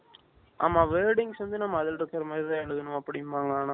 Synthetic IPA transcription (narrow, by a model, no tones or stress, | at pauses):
ʔa̰ːmaːʋeːɾɽɪŋɡsʋɐnd̪ɯnɐmːɐːðɯlɪɾɯkːɐɾɐmaːd̪ɾɪt̪ãːɛɭɯɣɐnʊ̃ɐpːɐɽɪjmaːŋɡaːna